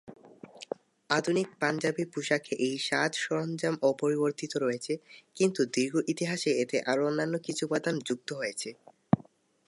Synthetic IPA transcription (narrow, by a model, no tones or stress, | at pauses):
ad̪ʱunik̚pand͡ʑabipuʃakʰeʔejʃad̪ʃɔɾond͡ʑamopoɾiboɾt̪it̪oɾɔjet͡ɕʰekint̪ud̪iɾɡʱoʔit̪iɦaʃeet̪eʔaɾonːanːokit͡ɕʰupad̪and͡ʑuk̚t̪oɦojet͡ɕʰe